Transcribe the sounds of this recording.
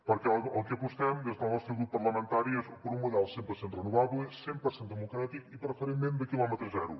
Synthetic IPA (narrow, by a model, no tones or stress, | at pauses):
pəɾkɛəlˠkeəpust̪ɛmd̪ezðəlˠnɔst̪ɾeɣɾupːɐɾləmə̃nt̪aɾiezpəɾumuðɛlˠsempəɾsenrənuβaβlesempəɾsend̪əmukɾat̪ikipɾəfəɾemmẽnd̪əkilˠɔmət̪ɾəzɛɾṵ